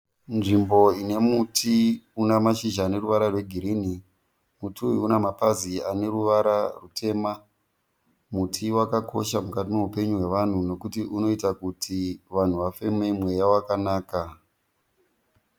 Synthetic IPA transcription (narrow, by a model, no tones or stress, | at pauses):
nʐimbo̞ine̞mutʰiunamaʃiʒaːne̞ruʋaɾarwe̞ɡʱiɾini | mutuiunamapaziane̞ruʋaɾarutʰe̞ma | mutʰiwakakʰo̞̰ʃamukatimeupe̞ɲuɦwe̞ʋan̤uno̞kutiʔuno̞itakutʰiʋan̤uʋafe̞me̞mwe̞jawakanaːka